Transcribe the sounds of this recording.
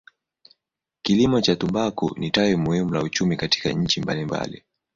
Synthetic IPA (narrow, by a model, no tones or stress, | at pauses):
kilimɔt͡ʃatumbakṵnitawimuhimulaut͡ʃumikati̥ka̰ɲ̩t͡ʃimbalimba̰lḭ